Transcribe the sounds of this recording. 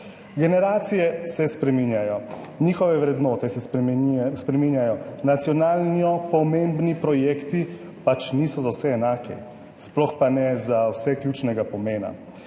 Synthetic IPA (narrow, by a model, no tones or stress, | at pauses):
ɡɛnɛɾaːt̪sijɛsɛspɾɛminjajɔ | niːxɔʋɛʋɾɛd̪nɔːt̪ɛsɛ | spɾɛminjajɔnat̪sijɔnaːlniɔpɔmembnipɾɔjeːkt̪i | pat͡ʃniːsɔzawsɛːnaːkɛ̰ | splɔxpanɛzawsɛklʲjut͡ʃnɛɡapɔmeːna̰